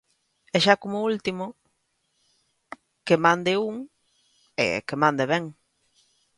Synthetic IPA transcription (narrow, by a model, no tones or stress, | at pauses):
eʃakomoult̪imo | kemãnd̪euŋ | ḛkemãnd̪eβɛŋ